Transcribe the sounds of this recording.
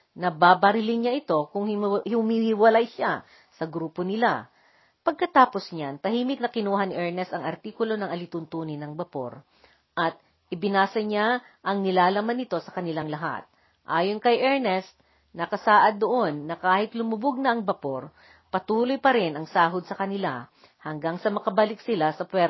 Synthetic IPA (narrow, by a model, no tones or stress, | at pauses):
nɐbaːbɐɾɪlɪnɲaʔɪt̪o̞kʊŋhhhʊmihiwɐlajʃa | sɐɡɾuːponɪla̰ | pɐɡ̚kɐt̪aːpo̞sɲant̪ɐhiːmɪk̪̚nɐkɪnuːɦɐnɪʔɛɹnɛst̪ɐŋɐɾt̪iːkʊlo̞nɐŋʔɐlɪt̪ʊnt̪uːnɪnɐŋbɐpo̞̰ɾ | ʔɐt̪̚ | ʔɪbɪnaːsɐɲa | ʔɐŋnɪlaːlɐmanːɪt̪o̞sɐkɐnɪlaŋlɐɦa̰t̪̚ | ʔaːjonkɐjʔɛɹnɛst̪̚ | nɐkɐsaːʔɐd̪ːoʔo̞nːɐkaːhɪt̪lʊmʊbʊɡ̚nɐʔɐŋbɐpo̞ɾ | pɐt̪uːlojpɐɾɪnʔɐŋsaːɦod̪̚sɐkɐnɪla̰ | hɐŋɡaŋsɐmɐkɐbalɪksɪlasɐpwɛɾ